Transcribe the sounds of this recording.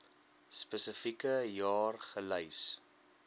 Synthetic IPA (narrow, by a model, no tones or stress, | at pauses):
spəsəfikəjɑːrχələjs